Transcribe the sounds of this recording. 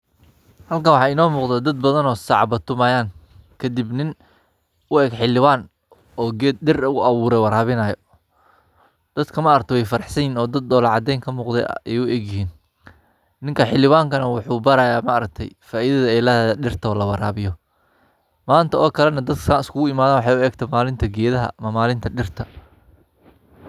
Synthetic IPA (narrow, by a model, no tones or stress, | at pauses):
hɐlkʰawɑħɑːɪnɔːmuːqd̪ɛd̪ɐd̪̚bɐðɐnɔːsɑʕbɐt̪ʰʊmɐːjaːŋ | kʰɐd̪ibnɪn | ʊɛːɡħɪlːɪwaːn | ɔːɡɛːd̪̚ɗɪrʊʔɐβuːɾɛwɐɾaːβɪnɐːjɔ | d̪̥ɐd̪kʰɐmaːɾɐk̚t̪ɛwɛjfɐɾɐħsɐjiːnɔːd̪ɐd̪ːɔːlɑʕɑd̪ɛjŋkʰɐmuːqd̪ɛ̰ɛjʊʔɛɡjɪɦiːn | nɪŋkʰɐħɪlɪwaːŋkʰɐnɐwʊħuːbɐɾaːjaːmaːɾɐk̚t̪ʰɛ̰jfaːʔiðɐðɐɛjlɐɛɖɪrt̪ʰɐɔːlɐwɑɾa̰ːβɪjɔ | maːnt̪ʰɐɔːkʰɐlɛnɐd̪ɐd̪kʰɐnɪskʰʊɣʊɪmaːðaːnwɑħɑjʊɛːɡt̪ʰɛmaːlɪnt̪ʰɐɡɛːðɐɦɐ̰mɐmaːlɪnt̪ʰɐɗɪrt̪ʰɐ